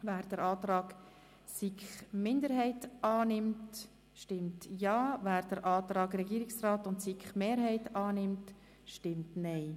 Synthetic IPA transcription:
væːɾd̥əɾaːtɾɑːɡ̥ | sikχmɪndəɾhɛɪtɑːnɪmt | ʃtɪmtjɑːvæːɾd̥əɾʔɑːt̪ɾɑːɡɾɛɡiːɾɪksraːtʊntsikχmeːɾhɛɪtɑːnɪmt | ʃtɪmtnɛɪ

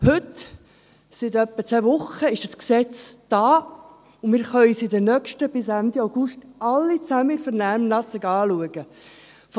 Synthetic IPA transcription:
hʏt | sɪt̪œpːət͡sɛːvʊχəɪʃdəsksɛt͡sd̥aː | ʊmɪːɾχœʏisɪdənœkʃtəb̥ɪsænd̪iaʊɡʊʃtɑlːit͡sæməfəɾnæːmnɑsəɡɑːluəɡ̥ə | f

